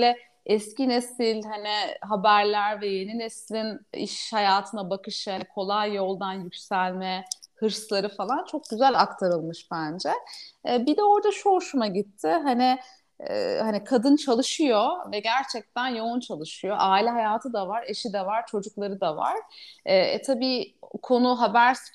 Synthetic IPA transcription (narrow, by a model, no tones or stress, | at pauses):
lʲɛ | ɛscinesilʲɦanɛɦabæɾlʲæɾvɛje̞ninɛslʲinḭʃhajaːt̪ʰɯnabakɯʃhankʰo̞lˠajːo̞lˠd̪anjycʲsælʲmɛhɯɾslˠaɾɯfalˠant͡ʃʰo̞k̚ɟ̥yzælʲakt̪ʰaɾɯlˠmɯʃb̥ænd͡ʒɛbid̪ɛo̞ɾd̪aʃoʃumaɟit̪ʰːɪɦanɪ̰ː | hanikʰad̪ɯnt͡ʃʰalˠɯʃɯjovɛɟæɾt͡ʃʰɛc̚t̪ʰænjount͡ʃʰalˠɯʃɯjo̞ʔaːilʲɛɦajaːt̪ʰɯd̪avaɾeʃid̪ɛvaɾt͡ʃʰo̞d͡ʒuklˠaɾɯd̪ava̰ɾ̥ɛ̰t̪ʰabiːkʰo̞nuɦabæɾs